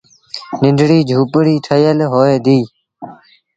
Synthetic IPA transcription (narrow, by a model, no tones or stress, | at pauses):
nɪɳɖɽiːd͡ʒʱuːpɽiːʈʰəjəlɦoːeːd̪iː